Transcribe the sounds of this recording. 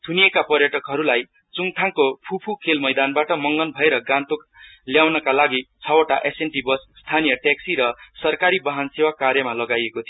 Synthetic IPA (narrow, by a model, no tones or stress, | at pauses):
t̪ʰunijekapʌrjʌʈʌkɦʌɾulaj | t͡suŋt̪ʰaŋkopʰupʰukʰelmʌjd̪anbaʈʌmʌŋɡʌnbʱʌeɾʌɡãnt̪ok | ljawnʌkalaɡit͡sʰʌwʌʈaʔesenʈibʌsst̪ʰanijʌʈeksiɾʌsʌrkaɾibʌɦansewakarjʌmalʌɡajekot̪ʰijo